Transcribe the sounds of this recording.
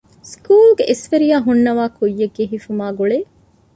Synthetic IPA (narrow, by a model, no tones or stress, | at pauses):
skuːlɡeʔesʋeɾijaːɦunːɐʋaːkujːeɡːeɦifumaːɡuɭeː